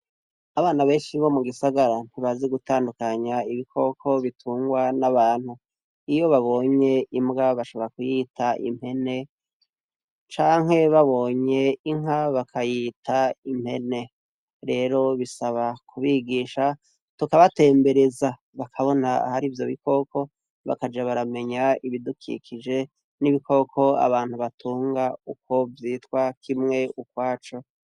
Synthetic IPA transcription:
aβaːnaβe̞ːnʃiβo̞muɡisaɡaɾan̥hiβazeɡutaːndukaɲaiβikʰo̞kʰo̞βitʰuːŋɡwanaβaːnhu | ijo̞βaβo̞ɲe̞imɡaβaʃo̞βo̞ɾakujiːtʰaʔḭm̥he̞ne̞ | t͡ʃaːŋ̥he̞βaβo̞ːɲe̞iŋ̥aβakʰajiːtʰaim̥he̞ne̞ | ɾe̞ːɾo̞βisaβakʰuβiɡiːʃa | tukaβate̞ːmbe̞ɾeza | βakʰaβo̞naa̰haɾivjo̞̰βiko̞kʰo̞ | βa̰kad͡ʒaβaɾame̞ɲaiβidukʰḭkʰid͡ʒe̞ | niβikʰo̞kʰo̞a̰βaːn̥huβatʰuːŋɡauko̞vjiːtwakʰimŋe̞ukwaːt͡ʃo

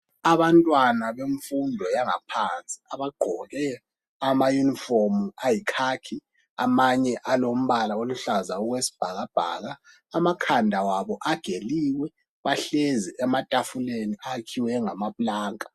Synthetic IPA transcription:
aβantʼwanaβeɱfundʱɔjaŋa̰pʰant͡sʼi̥aβaɡ͡ǃʱɔɣɛ | amajuniformajikʰakʰi | a̰maɲɛʔalom̩βalaoluɬazauɣwesi̥b̥ʱaɣab̥ʱa̰ːɣaː | makʰandʱawaβɔʔaɡ̥ʱeliːwɛ | βaɬɛziʔɛmatʼafuleniʔakʰiwɛŋamaβulaːŋʼa

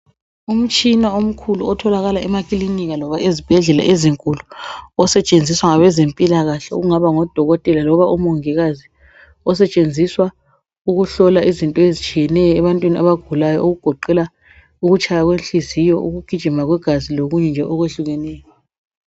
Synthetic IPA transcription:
um̩t͡ʃʼinaom̩kʰuluɔtʰɔlaɣalaɛmakʼiliniɣalɔβaʔezib̥ʱɛɮɛla̰ʔeziŋkʼuluɔsɛt͡ʃʼend͡zʱiswaŋaβɛzempʼilaɣaɬɛṵɣuŋaβaŋɔd̥ʱɔɣɔtʼɛlalɔβaʔumoŋiɣazi | ɔsɛt͡ʃʼend͡zʱiswa | uɣuɬɔlaʔizintʼɔezit͡ʃʰʼijɛnɛjɔɛβantʼwiniaβaɡ̥ʱulajɔoɣuɡ̥ʱɔǃɛla | uɣut͡ʃʰʼajaɣwenɬizijɔʔṵɣuɡ̥ʱid̥ʒ̥ʱimaɣwɛɡ̥ʱaziloɣuɲɛnd͡ʒʱɛʔɔɣweɬuɣɛnɛːjɔ

